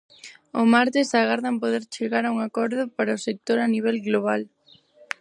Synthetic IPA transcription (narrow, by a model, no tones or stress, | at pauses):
ʊmaɾt̪ɪsaɣaɾðampoðeɾt͡ʃeɣaɾauŋakɔɾðʊpaɾaʊsek̚t̪oɾaniβ̞ɛlɣloβ̞al